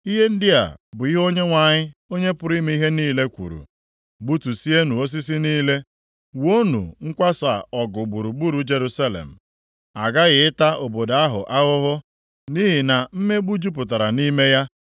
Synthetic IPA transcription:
i˦ɦe˦n̩˦dɪ˦a̰˨bʊ˨i˦ɦo˦ɲe˦ŋʷa˨ɲɪ˦o˦ɲe˦pʊ˨ɾi˦me˦i˦ɦe˦niː˦˨le˦kʷṵ˨ɾṵ˨ | ɡ͡bu˦tu˨si˦e˦nu˨o˦s̬i˦s̬i˦niː˦le˦ | wo˦nṵ˨ŋ̩˦kʷa˦sʊ˨a̰˨ɔ˨ɡʊ˨ɡ͡bu˨ɾu˨ɡ͡bu˦ɾu˨d͡ʒe˨ɾu˦sa˦lḛ˨m̩˨ | a˨ɡa˦ɣɪ˨ɪ˦ta˦ʔo˨bo˨da˦ɦʊ̰˨ʔa˦ɣʊ˦ɦʊ˦ | ni˦ɦi˨na˨m̩˦me˦ɡ͡bu˦d͡ʒu˦p̬ʊ˨t̬a˨ɾa˨ni˦me˦ja˦

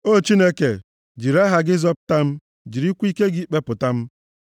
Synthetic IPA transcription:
o˦˨t͡ʃi˦ne˦ke˨ | d͡ʒi˨ɾa˦ɦa˨ɡɪ˦zɔ˦pʊ˨ta˦m̩˦ | d͡ʒi˨ɾi˦kʷu˦i˦ke˦ɡi˦k͡pe˦pʊ˨ta˦m̩˦

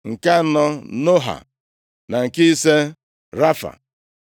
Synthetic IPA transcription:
ŋ̩˨ka˦nɔ˦no˦ɦa̰˨ | na˨ŋ̩˨ki˦i˦se˦ | ɾa˦fa̰˨

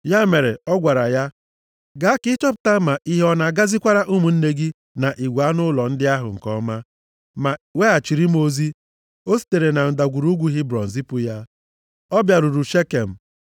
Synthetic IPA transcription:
ja˦me˨ɾe˨ɔ˦ɡʷa˨ɾa˨ja˦ | ɡa˨a˦kɪ˦t͡ʃɔ˦p̬ʊ̥˨ta˦ma˨ʔi˦ɦe˦ɔ˦na˨ɡa˦zi˦kʷa˦ɾa˦ʔu˦mu˨n̩˦ne˦ɡɪ˦ | na˨ʔi˨ɡʷa˦nʊ˦lɔ˨n̩˦dɪ˦a˦ɦʊ̰˨ŋ̩˨kɔ˦ma˦ | ma˨we˦a˨t͡ʃi˨ɾi˦m˦o˦zi˦ | o˦si̥˦te˨ɾe˨na˨n̩˨da˨ɡʷu˨ɾu˦ɡʷu˨˦ɦi˦bɾɔ̰˨n̩˨zi˦pʊ˦ja˦ | ɔ˦bja˨ɾu˨ɾu˨ʃe˦ke˨m̩˨

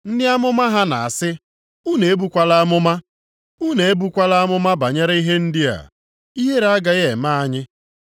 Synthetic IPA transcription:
n̩˦dɪ˦a˦mʊ˦ma˦ɦa˦na˨a˨sɪ˦ | u˦ne˨e˦bu˨kʷa˦la˦a˦mʊ˦ma˦ | u˦ne˨e˦bu˦kʷa˦la˦mʊ˦ma˦ba˨ɲe˦ɾi˦ɦe˦n̩˦dɪ˦a̰˨ | i˦ɦe˦ɾa˨˦ɡa˨je˨ma˦a˦ɲɪ˦

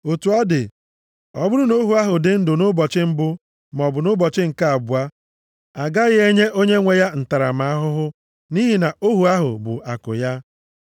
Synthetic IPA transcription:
o˨tu˨˦ɔ˦dɪ̰˨ | ɔ̰˨bʊ˦ɾʊ˦no˦ɦu˨˦a˦ɦʊ˨dɪ˨n̩˦dʊ˨nʊ˦bɔ˨t͡ʃɪ˦m̩˦bʊ˦ | m˨ɔ˨bʊ˨nʊ˦bɔ˨t͡ʃɪ˦ŋ̩˨ka˦a˨bʊ˨a˦ | a˨ɡa˦ɣɪ˦e˦ɲe˦ʔo˦ɲe˦ŋʷe˨ja˦n̩˨ta˨ɾa˨ma˨˦a˦ɦʊ˦ɦʊ˦ | ni˦ɦi˨na˨o˦ɦu˨a˦ɦʊ̰˨bʊ̰˨ʔa˨kʊ̰˨ja˦

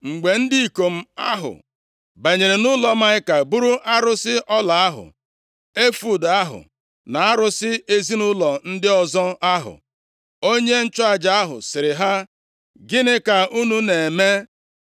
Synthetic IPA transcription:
ŋ͡m̩˨ɡ͡be˨n̩˦dɪ˦i˨ko˨m̩˦a˦ɦʊ̰˨ | be˨ɲe˨ɾe˨nʊ˦lɔ˨ma˦ɪ˦ka˨bu˦ɾu˦ʔa˦ɾʊ˦sɪ˦ʔɔ˦la˨a˦ɦʊ̰˨ | e˦fu˨da˦ɦʊ̰˨ | na˨a˦ɾʊ˦sɪ˦ʔe˦zi˦nʊ˦lɔ˨n̩˦dɪ˦ɔ˦zɔ˦a˦ɦʊ̰˨ | o˦ɲe˦n̩˦t͡ʃʊ˦a˨d͡ʒa˨a˦ɦʊ̰˨sɪ˨ɾɪ˨ɦa˦ | ɡɪ˦nɪ˦ka˨u˦nu˦ne˨e˨me˦

